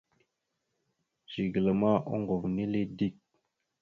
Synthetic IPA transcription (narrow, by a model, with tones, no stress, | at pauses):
ʒ̥i˨ɡlə˨ma˦ʔo̰˦ŋɡo˨vni˦le˦di˦˨k̚